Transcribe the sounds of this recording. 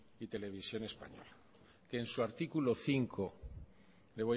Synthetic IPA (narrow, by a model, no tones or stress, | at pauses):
it̪e̞le̞β̞isjo̞ne̞spa̰ɲo̞̰la | ke̞ːnsuaɾt̪ikulo̞θiŋkʰo | le̞β̞o